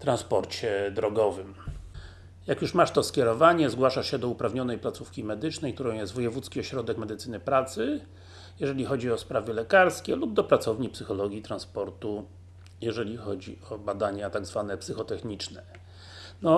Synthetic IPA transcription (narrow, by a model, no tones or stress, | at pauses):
t̪ɾãnspɔɾt͡ɕɛd̪ɾɔɡɔvɘm | jakjuʂmaʂt̪ɔskʲɛɾɔvaɲɛzɡwaʂaʂɕɛd̪ɔupɾavɲɔnɛjplat̪sufkʲimɛd̪ɘt͡ʂnɛjkt̪uɾɔ̃w̃jɛst̪vɔjɛvut̪skʲiɔɕɾɔd̪ɛkmɛd̪ɘt̪sɘnɘpɾat̪sɘ | jɛʐɛlʲixɔd͡ʑiɔspɾavɛlɛkaɾskʲelub̚d̪ɔpɾat̪sɔvɲipsɘxɔlɔɡʲjit̪ɾanspɔɾt̪u | jɛʐɛlʲixɔd͡ʑḭɔbad̪aɲat̪aɡzvanɛpsɘxɔt̪ɛxɲit͡ʂnɛ | nɔ